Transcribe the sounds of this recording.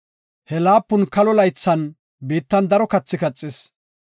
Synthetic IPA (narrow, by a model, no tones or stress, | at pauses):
hɛlaːpːʊnkɐlɔlɐjt͡sːɐn | biːt̪ːɐnd̪ɐɾɔkɐt͡sːɪkɐt͡sʼːɪs